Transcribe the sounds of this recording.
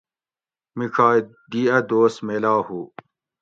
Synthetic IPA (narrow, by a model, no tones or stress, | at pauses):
mikʰaː | d̪iːɐd̪oːsmeːlaːhu